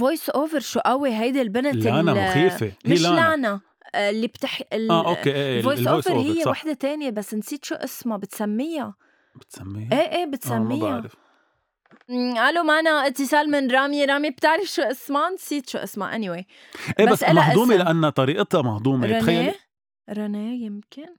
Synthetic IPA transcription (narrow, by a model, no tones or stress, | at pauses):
vojsʔoːvəɾʃuːʔawiɦajd̪elbɪnalanaxiːfemɪʃlaʕna | ɪlːib̥t̪ɪħɪlaʔokeʔeʔevoːjsʔojvəɾɾhɪjːewaħd̪et̪eːnjebasːnsiːd̪ʃuːʔɪsmabɪt̪samːɪja | bɪt̪samːiʔeːʔeːbɪt̪samːijaɾf | ʕalomaʕnaʔɪt̪ːɪsɑːlmɪnɾˤɑːmiɾˤɑːmib̚t̪ɪʕɾɪfʃuːʔɪsmansiːd̪ʃuːʔɪ̰sma̰ʔa̰niwe | ʔeːbabasːʔamahʔ̪uːmelaʔanːat̪ˤɑɾiːʔt̪ɑmahd̪ˤuːmeɾɑxajːe | ɾˤɑnejɪmkɪn